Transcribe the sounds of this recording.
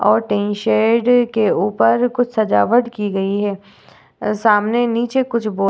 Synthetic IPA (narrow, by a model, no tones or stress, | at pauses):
ɔːɾʈẽːnʃeːɖkeuːpəɾkʊt͡ʃʰsɐd͡ʒa̰ːʋəʈkiɡɐiɦɛː | saːmneniːt͡ʃekʊt͡ʃʰboː